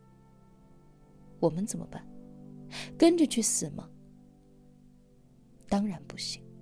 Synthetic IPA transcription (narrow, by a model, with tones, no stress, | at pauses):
wɔ˨˩mə˦nt͡sə˨˩nmʔə̰˦pa˥˩n | kə˥nʈ͡ʂy˥˩t͡ɕʰy˥˩sɹ̩˨˩mɐ̰˦ | t̪ɑ˥ŋɻa˧˥npu˧˥ɕi˨˩˦ŋ